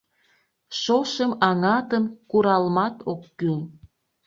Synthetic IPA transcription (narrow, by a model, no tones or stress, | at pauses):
ʃoʃəmɑŋɑt̪əmkuɾɑlmɑt̪okːyl